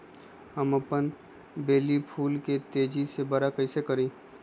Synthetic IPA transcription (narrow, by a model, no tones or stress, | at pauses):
ɦəmɐpən | beːlipʰuːlket̪eːd͡ʒisebɐɾakɐɪsekəɾĩː